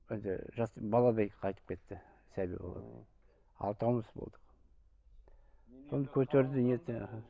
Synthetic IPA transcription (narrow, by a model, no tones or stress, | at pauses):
ɪnd̪ɪ̰ʒɑsbɑlˠɑd̪ɑjqʰɑjt̪ə̥p̚kʰʲe̞t̪ːɪ | sæbḭbo̰lˠɑ̰d̪̰ | ɑ̰lˠt̪ʰɑwməsbo̞̰lˠd̪əq | so̞nd̪ɑkʲʰɵt̪eɾd̪ɪnet̪ɪ